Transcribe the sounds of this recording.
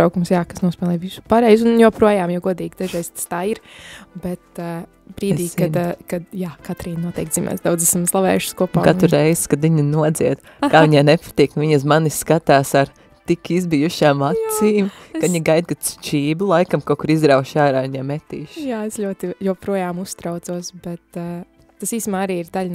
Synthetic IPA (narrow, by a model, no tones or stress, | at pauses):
awkumsjaːkasnuɔsʲpʲɛːlˠɛjʋisu̥paɾɛjzunjoːpɾuɔjaːmjawɡuɔd̪iːɡd̪aʒɛjst̪ḁst̪aːiɾbɛt̪ | bɾiːd̪iːkad̪kad̪jaːkat̪ɾiːnnuɔt̪ɛ̰jk̚t̪ziːmɛ̰sd̪awd̪zæsamzlˠaʋɛ̰ːjuʃskuɔpaːkat̪uɾɾɛjz̥kad̪ʋiɲinuɔd̪ziɛd̪ | kaːiɲaːnepḁt̪iːknʋiɲasmaniskat̪aːsaɾ | t̪ikizbijuʃaːmat̪siːmkɐʋiɲɡajd̪̚kad̪̥st͡ʃiːblˠajkamkoɔkuɾizɾawʃaːɾaːiɲaːmɛt̪iːʃjaːesʎʲuɔt̪ijopɾuɔjaːmust̪ɾaʊt̪suɔsbɛt̪ː | asiːsmaːaɾiːiɾd̪alʲn